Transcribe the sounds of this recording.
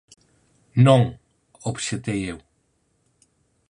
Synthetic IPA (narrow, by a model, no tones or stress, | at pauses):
nɐ̃w̃ | oβsẽt̪ejew